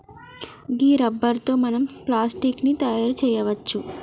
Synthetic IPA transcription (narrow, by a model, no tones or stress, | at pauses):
ɡiːɾɐbːɐɾt̪o̞ːmɐnɐmplaːsʈiknit̪ɐjaːɾt͡ʃɛːjɐʋɐt͡ʃːu